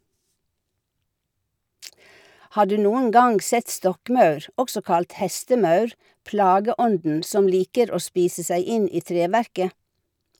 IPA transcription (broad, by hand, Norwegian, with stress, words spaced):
ˈhɑː ˈɖʉː ˈnuːəŋ ˈɡɑŋɡ ˈsɛt ˈstɔkˌmɑʉɾ ˈɔɡsɔ ˈkɑlt ˈhɛstəˌmɑʉɾ ˈplɑːɡəˌɔndn̩ ˈsɔm ˈliːkəɾ ˈoː ˈspiːsə ˈsæɪ ˈɪn ˈiː ˈtɾeːˌʋæɾkə